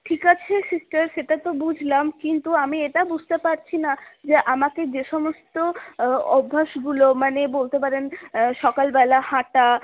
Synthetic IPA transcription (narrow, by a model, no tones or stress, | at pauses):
ʈʰikat͡ɕʰesisʈaɾʃeʈat̪obud͡ʑʱlamkint̪uamieʈabud͡ʑʱt̪epaɾt͡ɕʰinad͡ʑeʔamaked͡ʑeʃɔmost̪oɔbʱːaʃɡulomanebolt̪epaɾenʃɔkalbɛlahaʈa